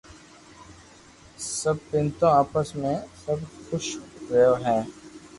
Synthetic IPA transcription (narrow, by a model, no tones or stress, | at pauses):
sɐb̚pɪnt̪õaːpəsmẽsɐbxʊʃɾɐjoɦɛ̃ː